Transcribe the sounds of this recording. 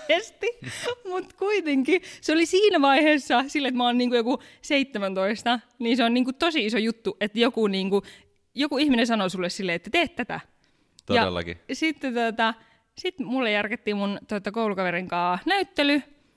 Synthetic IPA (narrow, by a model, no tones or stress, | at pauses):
est̪imut̪kuit̪eŋkiseolisiːnæʋɑiheːsːɑsilːeet̪mæoːnniːŋkujokuseit̪ːemænt̪oist̪ɑ | niːnseonniːŋkut̪osiisojut̪ːuʔet̪jokuniːŋku | jokuihminesɑnosulːessilːeet̪ːæt̪eːt̪t̪æt̪æ̰ | t̪ojɑḛlːɑ̰kḭsit̪ːet̪uot̪ɑ | sit̪mulːejærket̪ːiːmunt̪uot̪ɑkoulukɑʋeriŋkɑːnæyt̪ːely